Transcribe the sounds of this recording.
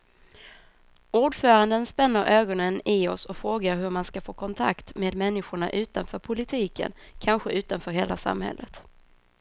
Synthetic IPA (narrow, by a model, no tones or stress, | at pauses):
uːɖfœːɾand̪ənspɛnːəɾʔøːɡɔnənɪɔsɔfɾoːɡaɾɦɵɾmanskafoːkʰɔnt̪ʰa̰kt̪meːd̪mɛnːɪɧʊɳa̰ʔʉ̟ːt̪anfœːɾpʰʊlɪt̪ʰiːkə̰nkʰanɧəʔʉ̟ːt̪anfœːɾheːlasa̰mhɛ̰lːət̪